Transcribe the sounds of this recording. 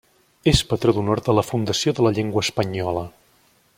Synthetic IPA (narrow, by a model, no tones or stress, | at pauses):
espət̪ɾoðunoɾd̪ələfund̪əsioðələʎeŋɡwəːspəɲɔlə